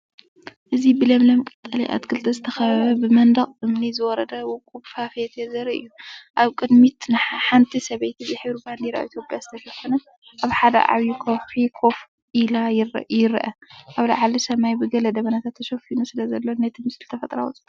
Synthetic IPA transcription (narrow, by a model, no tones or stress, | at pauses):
ʔɨzibɨlɐmlɐmɨkʼɨt̪ʼːɐliʔa̰t̪kʰɨlt̪ʰɐzɨt̪ʰɐxɐβɐβɐbɨmɐnd̪ɐχʼʔɨmnizɨwɔɾɐd̪ɐwɔkʼubfafet̪ʰezɐɾiʔɨ̰jːuʔaβkʼɨd̪mit̪nɨħant̪ʰisɐβejt̪ʰizɨħɨβɾuband̪iɾa̰ʔḭt̪ʰjopʼjazɨt̪ʰɐʃɐfɐnɐ | ʔaβħad̪ɐ̰ʔa̰βjukʰowħikʰo̞f | ʔilajjɪɾʔɐʔaβla̰ʕalisɐmajbɨɡɐlɐd̪ɐβɐnat̪ʰat̪ʰːɐʃɐfinusɨlɐzɐlːonet̪ʰɨmɨsɨlɨt̪ʰɐfɐt̪ʼɾa̰w̰t̪ʼ